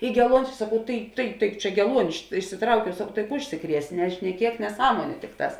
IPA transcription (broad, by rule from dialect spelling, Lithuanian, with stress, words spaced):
ˈiː ɡʲɛˈlˠuɔnʲɪs sɐˈkɐʊ ˈtɐɪ tɐɪ tɐɪ ˈt͡ʃʲɛ ɡʲɛˈlˠuɔnʲɪ ɪʃ ɪʃʲsʲɪˈtrɐʊkʲɛʊ sɐkɐʊ tɐɪ ˈʊʃʲsʲɪˌkrʲiɛs nʲɛʃʲnʲɛˈkʲiɛk nʲɛˈsɑːmoːnʲʊ ˈtʲɪkˌtɑːs